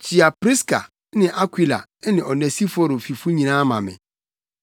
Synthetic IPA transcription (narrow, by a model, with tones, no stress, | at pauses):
t͡ɕʰi˨a˨pɾi˦ska̰˨˦ | nɪ̃˨ʔa˦kʷwi˨la̰˨˦nɪ̃˨ɔ˨nɛ̃˨si˦fɔ˦ɾo˨fi˨fu˦ɲĩ˨nãː˦mã̰˨mɪ̰˨